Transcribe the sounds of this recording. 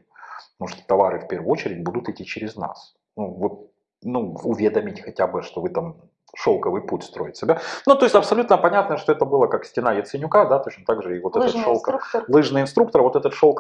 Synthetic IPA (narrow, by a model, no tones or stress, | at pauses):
muʂt̪o̥t̪ɐvaɾɨfʲpʲervəɨjot͡ɕɪɾʲɪdʲbud̪ʊt̪ɪtʲːit͡ɕɪɾʲɪzna̰s | nuvot̪̚ | nuʊvʲed̪əmʲɪtʲxɐtʲabɨʂt̪o̞vɨt̪am | ʂolˠkəvɨjputʲst̪ɾo̞jɪt̪ʲsʲɪbʲanut̪o̞ɪsʲtʲɐpsɐlʲut̪nəpɐnʲat̪nəʂt̪oɛt̪əbɨlˠəkaksʲtʲɪnajət̪sɨnʲʊkad̪at̪o̞t͡ɕnət̪aɡʐɨɪvo̞t̪ɛt̪əʂolˠklˠɨʐnɨjɪnst̪ɾuk̚t̪əɾvot̪ɛt̪ət̪ʂo̞lˠk